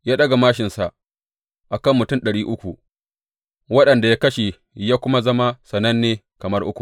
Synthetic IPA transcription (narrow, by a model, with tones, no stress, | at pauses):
jaː˦ɗɐ˦ɡa˨maː˦ʃɪ˨nsa˨ʔ | ʔa˨kɐ˦˨mːʊ˨tʊ˦˨nɗɐ˨ɽiː˦ʔʊ˦kʷu˨ | wɐ˦ɗɐ˨nda˨jaː˦kɐ˦ʃe˨ | jaː˦kʷʊ˦ma˦zɐ˦ma˦sɐ˨nɐ˦nːeː˦ | kɐ˨mɐ˦rʔʊ˦kʷu˨